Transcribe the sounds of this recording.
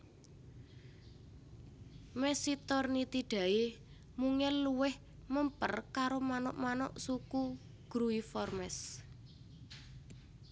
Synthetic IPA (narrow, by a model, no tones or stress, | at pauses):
mɛsit̪ɔrnit̪iɖ̥ä̤e | muŋɛlːuwɪh | məmpərkaɾomanɔʔmanɔ̰ʔsuku | ɡ̥ɾuifɔrmɛs